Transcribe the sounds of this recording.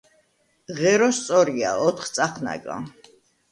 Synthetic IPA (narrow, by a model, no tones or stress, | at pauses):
ʁɛɾɔst̪sʼɔɾia̰ɔt̪ʰχt̪sʼaχʰna̰ɡa̰